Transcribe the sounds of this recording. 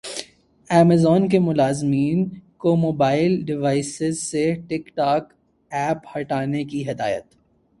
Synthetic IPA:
ɛːmezɔːnk̬emʊlaːzmiːnkomoːbaːɪlɖɪʋaːɪsɪzseʈɪkʈaːk | ɛːphɐʈaːnekiɦɪd̪a̰ːjə̰t̪

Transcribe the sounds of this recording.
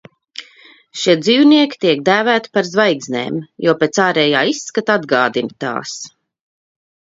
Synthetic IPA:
ʃiɛd̪ziːwniɛkʲi̥t̪iɛk̚d̪æːvæːt̪i̥paɾzvajɡznʲḛːmjuɔpeːt̪saːɾɛːjaːisːkat̪ad̪ɡaːd̪int̪a̰ːs

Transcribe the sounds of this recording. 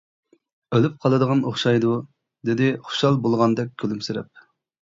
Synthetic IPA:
ølyp̚qʰɑlˠɨd̪əʁɑnoχʃɑjd̪u | d̪ɪd̪ɪχo̥ʃɑlˠbolˠʁɑnd̪ɛk̚ʲkʲʰølymsɪɾɛp̚

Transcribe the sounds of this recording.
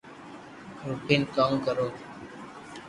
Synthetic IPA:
ɾupiːnkamkəɾoː

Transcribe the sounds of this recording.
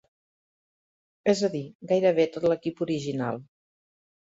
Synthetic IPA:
ɛzəðiɡajɾəβ̞et̪ot̪ləkipuɾiʒinalˠ

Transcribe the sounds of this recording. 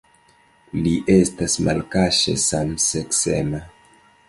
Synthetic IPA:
liʔe̞stasma̰lkaʃḛsamseksḛma

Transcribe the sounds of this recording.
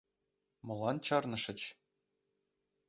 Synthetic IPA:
mɤ̆lˠɑnt͡ɕɑrnɤ̆ʂɤ̆t͡ɕ

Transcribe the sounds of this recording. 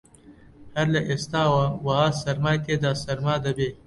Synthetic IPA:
hɐɾlɐʔest̪aːwawasɐɾmaːjk̪ed̪aːsɐɾmaːd̪ɐbeː

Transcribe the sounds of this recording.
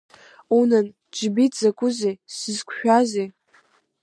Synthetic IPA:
unɨn | d͡ʒbitʰʼzakʼʊzesɨzkʷʰʃᶣaze

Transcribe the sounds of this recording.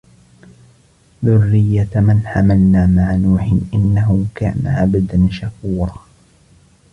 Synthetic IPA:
ðʊrːɪjːamɪnħamalnaːmaʕnuːħɪnʔɪnːaɦʊka̰ːna̰ʕabad̪anʃakuːɾˤɑ

